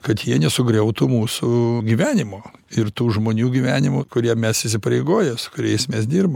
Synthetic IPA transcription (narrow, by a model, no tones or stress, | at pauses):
kɐt̪jiɛnʲɛsʊɡɾʲɛʊt̪ʊmuːsʊɡʲiːʋʲæːnʲɪmoːɪrt̪uːʒmoːnʲuːɡʲiʋʲæːnʲɪmʊkʊɾʲiɛmʲɛsɪsʲɪpɐɾʲɛɪɡoːjɛsʊ̥kʊɾʲɛɪsmʲɛs̬d̪ʲiːrbɐm